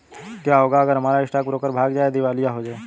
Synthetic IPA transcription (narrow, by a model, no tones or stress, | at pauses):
kjaːɦoːɡaəɡəɾɦəmaːɾaɪsʈak̚pɾoːkəɾbʱaːɡd͡ʒaːed̪ɪʋaːlijaɦod͡ʒaːe